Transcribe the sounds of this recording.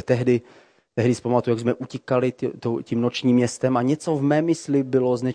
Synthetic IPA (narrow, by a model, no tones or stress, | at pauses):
t̪ɛɦdɪ | t̪ɛɦdɪsɛ̥pamat̪uujaɡzmɛʔucɪkalɪt̪ocimnot͡ʃɲiːmːɲɛst̪ɛmaɲɛt͡sovmɛːmɪslɪbɪloznɛ